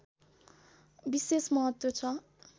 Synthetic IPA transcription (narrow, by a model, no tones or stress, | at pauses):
bisesmʌɦʌt̪wot͡sʰʌ